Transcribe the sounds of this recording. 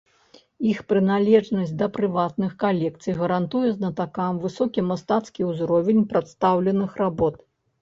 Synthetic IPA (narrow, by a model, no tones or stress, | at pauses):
ixpɾɨnalʲɛʐnɐsʲd̪ɐpɾɨvat̪̚nɨxkalʲɛk̚t̪sɨjɣɐɾant̪ujɛznɐt̪akamvɨsɔkʲimast̪at̪skʲiwzɾɔvʲɛnʲpɾat̪st̪awlʲɛnɨxrabɔt̪